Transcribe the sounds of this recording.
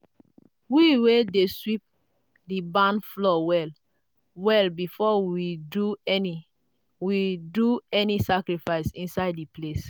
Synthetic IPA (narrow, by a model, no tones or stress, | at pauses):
wiwedeswip̚ | dibãnflɔwɛl | wɛlbifɔwiduɛni | widuɛnisakɹifaɪsĩnsaɪdːiples